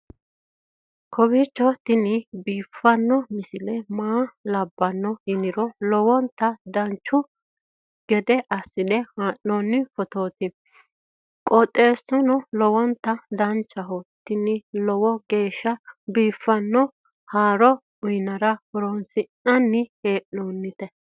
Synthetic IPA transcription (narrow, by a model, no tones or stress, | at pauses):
kʰɔbit͡ʃːɔt̪ɪnɪbiːfːɐnːɔmɪsɪlɛmaːlɐbːɐnːɔhɪnɪɾɔlɔwɔnt̪ːɐd̪ɐnt͡ʃːʊ | ɡ̥ɛd̪ɛʔɐsːɪd̪ɛhaːnːɔnːɪfɔt̪oːt̪ɪ | kʼɔt̪ʼːe̞ːsːʊnɔlɔwɔnt̪ːɐd̪ɐnt͡ʃːɐɦɔt̪ːɪnɪlɔwɔɡe̞ːʃːɐbiːfːɐnːɔ | haːɾɔ | ʊjnɐɾɐhɔɾɔnsɪnɐnːɪheːʔnoːnːɪt̪ɛ